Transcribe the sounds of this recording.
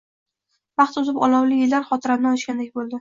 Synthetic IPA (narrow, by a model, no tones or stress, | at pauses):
vɑχt̪ʊzɪpɒ̰lˠɒwlɪjɪlːaɾχɒt̪ʰɪɾamnɪɒlɪʃɡʲand̪ek̚ʲbolˠd̪ɪ